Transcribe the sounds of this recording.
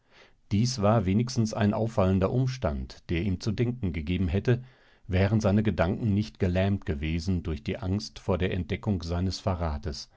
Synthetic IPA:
d̥iːsv̥aːɐveːnɪçstn̩sa̰ɪnʔa̰ʊfːaləndɐʔʊmʃtantd̥eːɐiːmt͡sudɛŋkŋ̩ɡəɡeːbm̩ɦɛtə | vɛːʁ̞ənzaɪnəɡədaŋkŋ̩nɪçtɡ̥əlɛːmtɡ̥əveːzn̩dʊɐçd̥iːʔaŋstfoːɐdeːɐʔɛnt̚d̥ɛkʊŋz̥aɪnəsfaʁaːtəs

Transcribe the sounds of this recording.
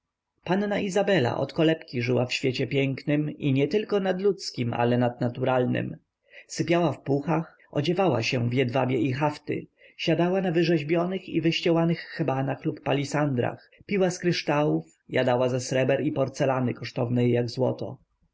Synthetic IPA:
panːaʔizabɛla̰ʔɔ̰t̪kɔlɛpkʲiʐɘwafɕfʲjet͡ɕɛpʲjɛŋknɘmiɲɛt̪ɘlkɔnad̪lut̪skʲimʔa̰lɛnad̪̚nat̪uɾalnɘ̰m | sɘpʲjawafpuxax | ɔ̰d͡ʑɛvawa̰ɕɛvjɛd̪vabʲjɛixaft̪ɘ̰ | ɕad̪awanavɘʐɛʑbʲjɔnɘxḭvɘɕt͡ɕɛwanɘxːɛbanaxlupːalʲisand̪ɾa̰x | pʲiwaskɾɘʂt̪awuf | jad̪awazasɾɛbɛɾipɔɾt̪sɛlanɘkɔʂt̪ɔvnɛjːaɡzwɔ̰t̪ɔ̰

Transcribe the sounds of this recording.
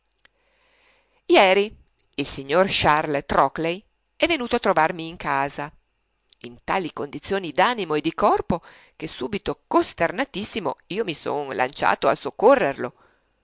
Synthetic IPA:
jɛːɾi | ilsiɲːorʃarlt̪ɾɔklej | ɛvːenuːt̪oat̪ːɾovarmiːŋkʰaːza | int̪aːlikond̪it̪sːjoːnid̪aːnimoed̪ikɔrpo | k̟esuːbit̪okost̪ernat̪isːimo̰iːomiso̰nlʔa̰nt͡ʃa̰ːt̪oa̰sokːorːerlo

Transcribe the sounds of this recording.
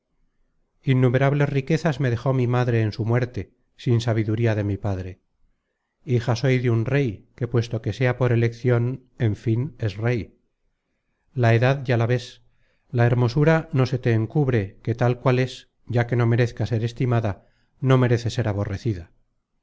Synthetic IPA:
inːume̞ɾaβle̞zrike̞θazme̞ðe̞xo̞mimaðɾe̞ːnsumwe̞ɾt̪e̞ | sinsaβ̞iðuɾiaðe̞mipaðɾe̞ | ixaso̞jðeunre̞jke̞pwe̞st̪o̞ke̞se̞apo̞ɾe̞le̞kθjo̞n | e̞ɱfine̞sre̞j | lae̞ðaðʝalaβe̞s | lae̞ɾmo̞suɾano̞se̞t̪eːŋkuβɾe̞ke̞t̪alkwale̞s | ɟ͡ʝake̞no̞me̞ɾe̞θkase̞ɾe̞st̪imaða | no̞me̞ɾe̞θe̞se̞ɾaβ̞o̞re̞θiða

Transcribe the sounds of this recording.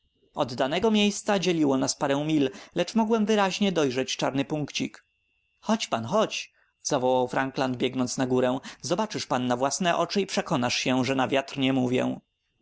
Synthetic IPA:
ɔd̪ːanɛɡɔmʲjejst̪sad͡ʑɛlʲiwɔnaspaɾɛ̃w̃mʲillɛt͡ʂmɔɡwɛmvɘɾaʑɲɛd̪ɔjʐɛt͡ɕt͡ʂaɾnɘpuŋkt͡ɕik | xɔt͡ɕpanxɔt͡ɕ | z̥avɔwawfɾaŋkland̪̚bʲjɛɡnɔnt̪snaɡuɾɛw̃zɔbat͡ʂɘʂpanːavwasnɛʔɔt͡ʂɘipʂɛkɔnaʂɕɛʐɛnavʲjat̪ɾɲɛmuvʲjɛ̰̃

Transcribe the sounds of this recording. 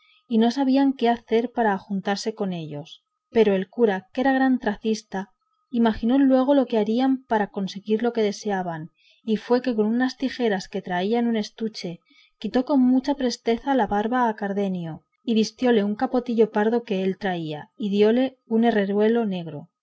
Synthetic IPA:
ino̞saβ̞iaŋke̞aθe̞ɾpaɾaːxunt̪aɾse̞ko̞ne̞ʎo̞s | pe̞ɾo̞e̞lkuɾake̞ɾaɣ̞ɾant̪ɾaθist̪a | imaxino̞lwe̞ɣ̞o̞lo̞ke̞aɾiampaɾako̞nse̞ɣiɾlo̞ke̞ðe̞se̞aβan | ifwe̞ke̞ko̞nunast̪ixe̞ɾaske̞t̪ɾaianune̞st̪ut͡ʃe̞ | kit̪o̞ko̞nmut͡ʃapɾe̞st̪e̞θalaβaɾβaːkaɾðe̞njo | iβist̪jo̞le̞uŋkapo̞t̪iʎo̞paɾðo̞ke̞elt̪ɾaiaiðjo̞le̞ | une̞re̞ɾwe̞lo̞ne̞ɣ̞ɾo̞̰

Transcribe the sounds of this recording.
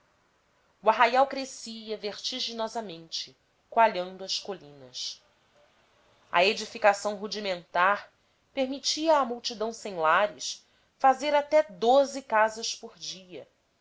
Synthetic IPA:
uaɦajawkɾesiɐveɾt͡ʃiʒinɔzɐmẽnt͡ʃɪ̥ | kwaʎɐ̃nd̪ʊɐskolĩnɐ̰s | ɐ̰ed͡ʒifikasɐ̃w̃ɦud͡ʒimẽnt̪aɾ | peɾmit͡ʃiɐːmuwt͡ʃid̪ɐ̃w̃sẽj̃laɾɪs | fazeɾat̪ɛd̪ozɪkazɐʃpoɾd͡ʒiɐ

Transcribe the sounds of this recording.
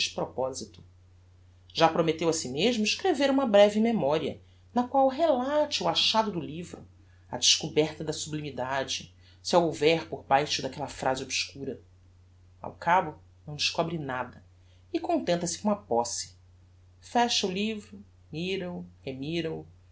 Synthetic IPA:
t͡ʃpɾopɔzit̪ʊ̥ | ʒapɾomet̪ewɐsimeʒmʊiʃkɾeveɾũmɐbɾɛvimemɔɾiɐ̰ | nɐkwawɦelat͡ʃiuaʃad̪ʊd̪ʊlivɾʊ | ɐ̰d͡ʒɪʃkubɛɾt̪ɐd̪ɐsublimid̪ad͡ʒɪ | siɐowvɛɾpoɾbajʃʊd̪ɐkɛlɐfɾʔazɪobʃkuɾɐ | a̰wkabʊ | nɐ̃w̃d͡ʒɪʃkɔbɾinad̪ɐ | ɪkõnt̪ẽnt̪ɐsɪ̥kõɐpɔsi̥ | fɛʃɐulivɾʊ | miɾɐuhemiɾɐu

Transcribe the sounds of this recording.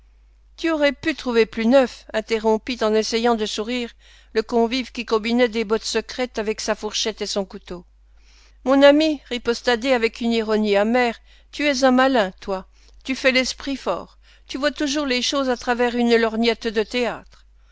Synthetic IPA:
t̪yɔʁɛpyt̪χuveplynœfɛ̃t̪eʁɔ̃pit̪ɑ̃nesɛjɑ̃d̪əsuʁiːʁ | ləkɔ̃vivkʲikɔ̃binɛd̪ebɔt̪səkχɛt̪avɛksafuʁʃɛt̪esɔ̃kut̪o | mɔ̃namiʁipɔst̪ad̪eavɛkyniʁɔniamɛːʁ | t̪yɛzɛ̃malɛ̃t̪wa | t̪yfɛlɛspχifɔ̰ːʁ | t̪yvwat̪uʒuʁleʃozat̪χavɛʁynlɔʁnjɛt̪d̪ət̪eaːt̪χ

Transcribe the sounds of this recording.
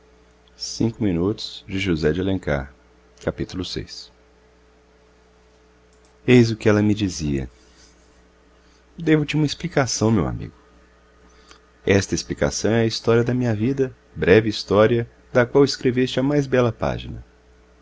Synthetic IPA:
sĩŋkʊmĩnut̪ʊ̥z̥d͡ʒɪʒuzɛd͡ʒelẽŋka̰ɾ | kapit̪ulʊsḛjs | ejzʊkɪɛlɐmɪd͡ʒiziɐ̰ | d̪evʊt͡ʃɪũmɐesplikasɐ̃w̃mewa̰mḭɡʊ | ɛst̪ɐɪisplika̰sɐ̃w̃ɛɐist̪ɔɾiɐd̪ɐmĩɲɐvid̪ɐ | bɾɛvɪist̪ɔɾiɐ | d̪ɐkwawɪskɾevest͡ʃɪɐmajzbɛlɐpa̰ʒinɐ̰

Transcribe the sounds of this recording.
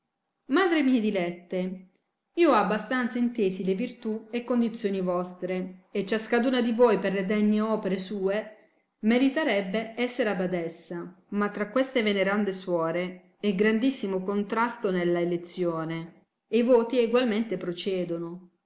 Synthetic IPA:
maːd̪ɾemiːed̪ilɛt̪ːe | iːoabːast̪ant̪saint̪eːzilevirt̪uekːond̪it̪sːjoːnivɔst̪ɾeet͡ʃːaskad̪uːnad̪ivoːjperled̪ɛɲːeɔːpeɾesuːe | meɾit̪eɾɛbːeɛsːeɾabad̪ɛsːa | mat̪ːɾakːwest̪eveneɾand̪eswɔːɾe | ɛɡɾand̪isːimokont̪ɾast̪onelːaelet̪sːjoːne | eivoːt̪ieɡwalment̪epɾot͡ʃɛːd̪ono

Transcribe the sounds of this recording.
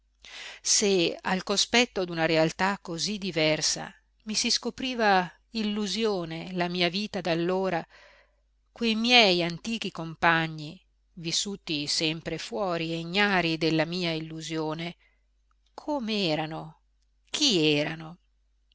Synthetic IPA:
sea̰lkospɛt̪ːod̪unaɾealt̪akːozid̪ivɛrsa̰ | misiskopɾiːva | ilːuzjoːnelamiːaviːt̪ad̪alːoːɾa | kwejmjɛjant̪iːk̟ikompaɲːi | visːuːt̪isɛmpɾefwɔːɾieɲːaːɾid̪elːamiːailːuzjoːne | kʰomeɛːɾano | k̟ʰiɛːɾano

